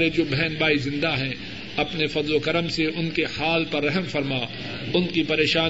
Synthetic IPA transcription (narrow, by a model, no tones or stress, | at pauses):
ɾed͡ʒoːbʱɛːnbaːizɪ̃nd̪aɦɛ̃ | ɐpnefɐd̪lokɐɾəmseʔʊnkehaːlpɐɾːɛɦəmfɐɾma | ʊnkipɐɾeːʃaː